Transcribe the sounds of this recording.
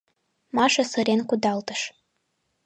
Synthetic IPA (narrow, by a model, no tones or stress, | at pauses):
maʂasɨɾenkʷʊdaltʼɨʂ